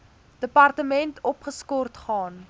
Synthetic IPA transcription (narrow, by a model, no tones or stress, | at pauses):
d̥əpɐrtəmɛntʰɔpχəskɔrtχɑːn